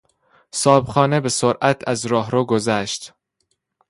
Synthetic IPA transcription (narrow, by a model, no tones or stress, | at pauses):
sɒːbxɒːnebe̞soɾʔæt̪ʰæzɾɒːɦɾoːɡozæʃt̪